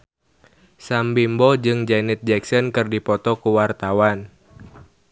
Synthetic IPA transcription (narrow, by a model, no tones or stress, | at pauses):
sambimbɔd͡ʒɨŋd͡ʒɛnɛt̪̚d͡ʒɛksɔnkɨrdipɔt̪ɔkuwart̪awan